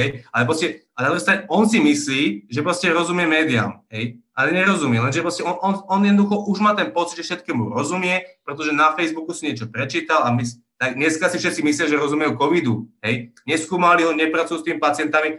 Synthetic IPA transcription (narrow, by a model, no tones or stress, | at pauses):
ɦɛjalɛpɾɔscɛalɛnad̪ɾuɦist̪ɾaɛɔnsimisliːʒɛpɾɔscɛɾɔzumɪɛmɛːd̪ia̰mɦɛjʔalɛɲɛɾɔzumɪɛlɛnʒɛpɾɔscɛɔnɔnɔnjɛd̪ɔd̪uxɔʔuʒmaːt̪ɛnpɔt͡sid̪ʒɛfʃɛt̪̚kɛːmuɾɔzumɪɛpɾɛt̪ɔʒɛnafɛjzbukusiɲɪɛt͡ʃɔpɾɛt͡ʃiːt̪alamis | t̪aɡɲɛskasifʃɛt̪t͡simisliaʒɛɾɔzumɛjukɔʋid̪uɦɛjɲɛskuːmaliɦɔɲɛpɾat͡sujuːst̪imipat͡sɪɛnt̪ami